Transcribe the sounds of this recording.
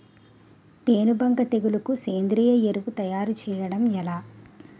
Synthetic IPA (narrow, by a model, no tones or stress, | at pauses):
peːnubʱɐŋɡɐt̪eɡulɐkuseːnd̪ɾiːjɐjeɾuʋut̪ɐjaːɾut͡ʃɛːjɐɽɐmɛlaː